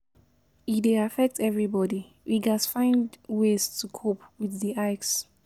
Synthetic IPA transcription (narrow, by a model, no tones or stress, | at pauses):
ifdeafɛk̚tʰɛvɹibɔdi | wʔiɡasfãɪ̃ndwestʰukʰopwiθdiʔaɪks